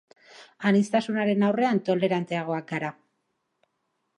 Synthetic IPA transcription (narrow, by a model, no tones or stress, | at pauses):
anist̪asunaɾe̞nawre̞ant̪o̞le̞ɾant̪e̞aɣ̞o̞ak̚ɡaɾa